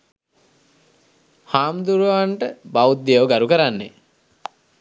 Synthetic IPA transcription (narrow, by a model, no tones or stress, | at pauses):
haːmd̪uɾuʋaɳʈəbawud̪eəwɡaɾukəɾanːḛ